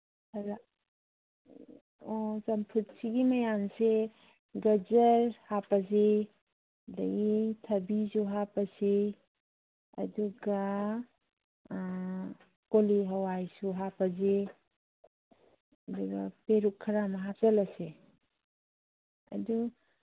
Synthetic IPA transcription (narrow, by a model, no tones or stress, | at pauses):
ɾa | ɔsɐmpʰutsiɡimɐjanse | ɡɐzəɾhapaze | dɐɡitʰɐbizuɦapase | ɐ̰duɡa | koliɦawajsuɦapaze | ɐduɡapeɾukʰːɐɾamaɦazɐlase | ɐ̰du